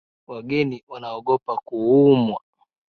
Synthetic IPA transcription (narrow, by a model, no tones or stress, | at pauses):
waɡɛniwanaɔɡɔpakuumwa